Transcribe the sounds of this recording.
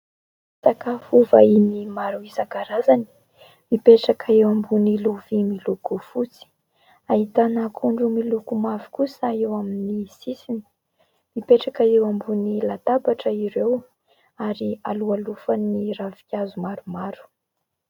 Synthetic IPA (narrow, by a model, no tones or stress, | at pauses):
sakafuvainimaɾuizaɡaɾazani̥ | mipeʈ͡ʂakaewambuniluvimiluɡufut͡si̥ | ait̪anakʰuɳɖ͡ʐumilukumavi̥kusaewaminisisini̥ | mipeʈ͡ʂakaewambunilat̪abaʈ͡ʂəiɾew | aɾialualufaniɾavi̥kʲazumaɾumaɾu̥